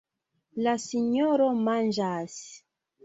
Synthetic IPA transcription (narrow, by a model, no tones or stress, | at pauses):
lasiɲoɾomand͡ʒas